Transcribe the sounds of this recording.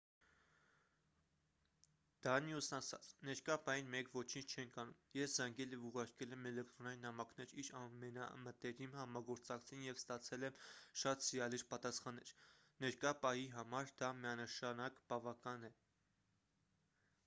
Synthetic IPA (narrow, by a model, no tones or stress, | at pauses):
d̪̥ɑmjusnɑsɑ̰t͡sʰnɛɾkɑpɑjinmɛkʰvɔt͡ʃʰint͡ʃʰt͡ʃʰɛŋkʰɑnumjɛszɑŋɡɛljɛvuʁɑɾkɛlɛmɛlɛk̚t̪ɾɔnɑjinːɑmɑkʰnɛɾiɾɑmɛnɑmət̪ɛɾimhɑmɑɡɔɾt͡sɑkt͡sʰinjɛvst̪ɑt͡sʰɛlɛmʃɑt̪sijɑliɾpɑt̪ɑsχɑnːɛɾ | nɛɾkɑpɑhiɦɑmɑɾd̪ɑmijɑnəʃɑnɑkb̥ɑvɑkɑnɛ